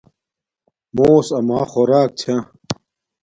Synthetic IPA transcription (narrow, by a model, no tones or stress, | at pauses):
moːsɐmaːxoɾaːk̚t͡ɕʰã